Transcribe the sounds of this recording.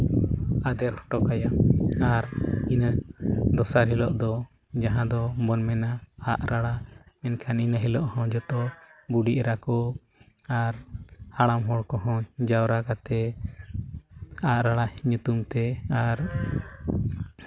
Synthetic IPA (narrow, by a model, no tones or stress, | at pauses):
ad̪ɛɾhɔ̥ʈɔkajaaɾinəd̪ɔsaɾɦilɔʔd̪ɔ | d͡ʒaɦãd̪ɔbɔnmɛnaːʔɾaɽamɛnkʰaninəɦilɔʔhɔ̃d͡ʒɔt̪ɔbuɖiʔɾakɔ | aɾhaɽamɦɔɽkɔɦɔ̃d͡ʒawɾakat̪ɛ | aʔɾaɽaɲut̪umt̪ɛaɾ